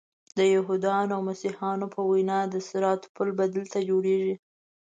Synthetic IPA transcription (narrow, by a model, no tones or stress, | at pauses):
d̪əjaɦud̪ɑnawmasihɑnopʰəwajnɑd̪əsɪɾɑt̪pulbad̪əlt̪ad͡ʒoɽeʒi